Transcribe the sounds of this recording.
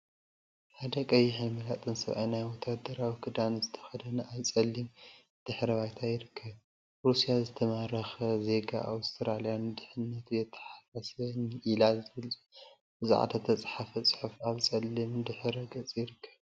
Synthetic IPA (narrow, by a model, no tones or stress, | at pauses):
ħad̪ɐkʼɐjiħajmɨlat̪ʼɨnsɐ̰βʔa̰jnajwɔt̪ʰad̪ɐɾawikʰɨd̪anzɨt̪ʰɐ̥xɐd̪ɐnajt͡sʼɐlːim | d̪̥ɨħɾɐβajt̪ʰajɪɾɨkʰːɐβ | ɾusijazɨt̪ʰɐmaɾɐxɐze̞ɡa̰ʔawst̪ʰɾalijand̪ɨħɨnːɐt̪ʰujɛt̪ʰːɐ̥ħasasɐnʔilazɨβɨlʼ | bɨzḭʕa̰d̪ɐt̪ʰɐt͡sʼħafɐt͡sʼɨ̥ħufaβt͡sʼɐlːimd̪ɨħɾɐɡɐt͡sʼjɪɾɨkʰːɐ̥β